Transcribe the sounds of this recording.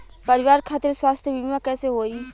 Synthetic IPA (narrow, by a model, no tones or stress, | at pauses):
pɐɾɪʋaːɾkʰaːt̪eɾswaːst̪ʰjəbʱibʱmakɛːseɦoːi